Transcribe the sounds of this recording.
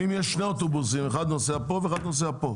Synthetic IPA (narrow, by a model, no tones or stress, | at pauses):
imjɛʃːneot̪obusimeχad̪noseapoveːxad̪nos̬eapo